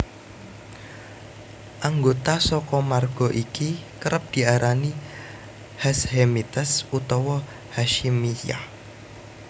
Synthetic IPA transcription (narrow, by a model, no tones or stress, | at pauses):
ʔaŋɡot̪asɔkɔmarɡ̥ɔ̤ʔikikəɾəp̚d̪̥i̤aɾani | hashemit̪əsut̪ɔwɔ | haʃimija̰